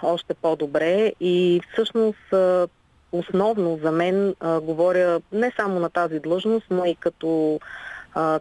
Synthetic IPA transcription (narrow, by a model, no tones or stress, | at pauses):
ɔʃt̪ɛpɔd̪obɾɛifsɤʃnost̪ | osnɔvnozɐmɛnɡovɔɾʲənɛsamonɐt̪azid̪lˠɤʒnost̪noikɐt̪ɔ